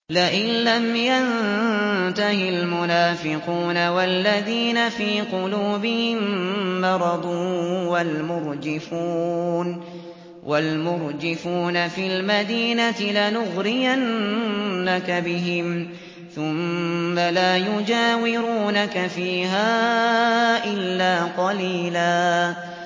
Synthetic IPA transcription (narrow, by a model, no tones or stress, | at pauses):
laʔɪnlamjan | t̪ahɪlmʊnaːfɪquːnawalːaðiːnafiːqʊluːbɪhɪmːɑɾˤɑd̪ˤuːwalmʊɾd͡ʒɪfuːn | wʔalmʊɾd͡ʒɪfuːnafilmad̪iːnat̪ɪlanʊɣɾɪjanː | akabɪɦɪm | θʊmːalaːjʊd͡ʒaːwɪɾuːnakafiːɦaː | ʔɪlːaːqɑliːlaː